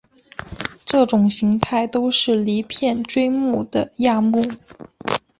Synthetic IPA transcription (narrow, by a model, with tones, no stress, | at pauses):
ʈ͡ʂɤ˥˩ʈ͡ʂʊ˨˩ŋɕi˧˥ŋt̪ʰa˥˩ɪt̪o˥ʊʂɻ̩˥˩li˧˥pʰjɛ˥˩nʈ͡ʂwe˥ɪmu˥˩d̪̥ə˩ja˥˧mu˥˩